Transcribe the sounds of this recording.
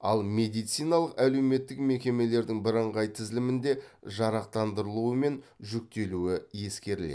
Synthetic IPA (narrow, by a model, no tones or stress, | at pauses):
ɑlˠmʲe̞d̪ijt̪sijnɑlˠəqæle̞wme̞t̪ːɪkme̞kʲe̞me̞le̞ɾd̪ɪŋbɪɾəɴʁɑjt̪ʰɪzlɪmɪnd̪e̞ʒɑɾɑq̚t̪ɑnd̪əɾəlˠuəme̞nʒʏk̚t̪e̞luɪje̞skʲe̞ɾɪlḛ